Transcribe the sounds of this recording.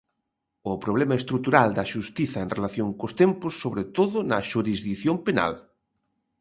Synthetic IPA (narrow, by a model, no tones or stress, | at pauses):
ʊpɾoβlɛmɐest̪ɾut̪uɾald̪ɐʃust̪iθɐeŋrelaθjoŋkost̪empʊsːoβɾet̪oðʊnɐʃuɾizðikθjompena̰l